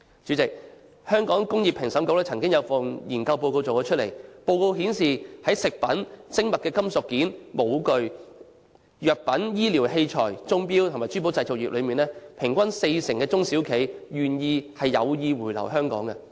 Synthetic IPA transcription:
t͡ʃyː˨˥t͡sɪ˨k̚ | hœː˥ŋkɔː˨˥ŋkʊ˥ŋjiː˨pʰɪ˨˩ŋsɐ˨˥mko˧˥wlɛː˥t͡sʰɐ˨˩ŋkɪ˥ŋjɐ˨˧wfʊ˨˩ŋjiː˨˩nkɐ˧wp̬o˧wko˧t͡so˨wkɔ˧˥t͡ʃʰɵ˥le˨˩jpo˧wko˧wɦiː˨˥nsiː˨˩hɐ˨˥jsɪ˨k̚pɐ˨˥nt͡sɪ˥ŋmɐ˨t̚kɛː˧kɐ˥msʊ˨kːiː˨˥nmo˨˧wkɵ˧ɥ | jœː˨k̚pɐ˨˥njiː˥liː˨˩whe˧jt͡ʃʰɔ̰ː˨˩jt͡sʊ˥ŋpiː˥wt̪ʰɐ˨˩mɐ˨jt͡ʃyː˥po˨˧˥wt͡sɐ˧jt͡sʊ˨k̚jiː˨p̚lɵ˨˧miː˨˩nlɛː˥pʰɪ˨˩ŋkʷɐ˥nse˧jsɪ˨˩ŋkɛː˧t͡sʊ˥ŋsi˨˥wkʰe˨˥jjyː˨njiː˧hɐ˨jːɐ˨˧wjiː˧wuː˨˩jlɐ̰˨˩wɦœː˥ŋkɔ̰ː˨˥ŋkɐ˧

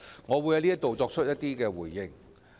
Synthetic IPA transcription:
ŋɔː˨˧wu˨˧jhliː˥jɐ˥t̪o˨wt͡sɔː˧k̚t͡ʃʰɵ˥t̚jɐ˥t̪̚ːiː˥kɛː˧wuː˨˩jːɪ˧ŋ

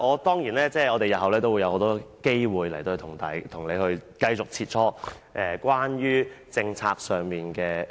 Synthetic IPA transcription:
ʔɔː˨˧t̪ɔː˥ŋjiː˨˩nlɛː˥t͡sɛː˥˩ɔː˨˧t̪e˨jɐ˨t̚hɐ˨wlɛː˥t̪o˥wu˨˧jɐ˧who˨˧wt̪ɔː˥ke˥jwuː˨jlɐ˨˩jt̪o˧˥whɐ˨˩t̪ʰʊ˨˩ŋt̪a̰ː˨˩jt̪ʰʊ˨˩ŋle˨˧jhɵ˧ɥkɐ˧jt͡sʊ˨k̚t͡sʰiː˧t̚t͡ʃʰɔː˥ | ʔɛː˨kʷwaː˥njyː˥t͡sɪ˧ŋt͡sʰaː˧k̚sœː˨˩ŋmiː˨nkɛː˧

